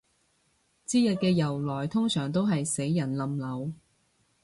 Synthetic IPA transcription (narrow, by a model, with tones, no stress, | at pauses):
t͡siː˥jɐ˨t̚kɛː˧jɐ˨˩wlɔː˨˩jt̪ʰʊ˥ŋsœː˨˩ŋt̪o˥wɦɐ˨jse˨˥jːɐ˨˩nlɐ˨˧mlɐ˨˧w